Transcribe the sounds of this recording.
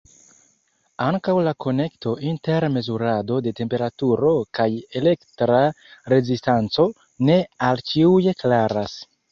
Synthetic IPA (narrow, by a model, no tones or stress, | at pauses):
aŋkawlakʰo̞ne̞kto̞ʔinte̞ɾme̞zuɾado̞de̞te̞mpe̞ɾatuɾo̞kaje̞le̞ktɾa | ɾe̞zistant͡so̞ | ne̞alt͡ʃiuje̞klaɾas